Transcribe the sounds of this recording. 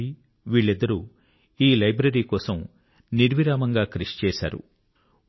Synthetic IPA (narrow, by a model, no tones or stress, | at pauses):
i | ʋiːɭːid̪ːɐɾu | iːlɐjbɾɐɾiːkɔːsɐm | niɾʋiɾaːmɐŋɡaːkɾeʂt͡ʃɛːʃa̰ːɾṵ